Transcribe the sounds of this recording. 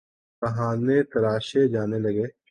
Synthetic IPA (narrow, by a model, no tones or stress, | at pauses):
kɐɦãːnet̪ɐɾaːʃed͡ʒaːnelɐɡeː